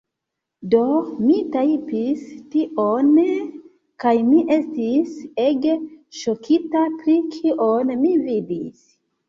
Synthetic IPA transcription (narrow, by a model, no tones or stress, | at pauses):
do̞mitajpistiʔon | kajmiʔe̞stiseɡeʃokʰitapɾikʰiʔonmividis